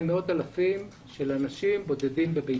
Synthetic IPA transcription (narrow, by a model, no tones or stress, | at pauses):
meo̞t̪alafim | ʃe̞lanaʃimbo̞d̪e̞dimbebe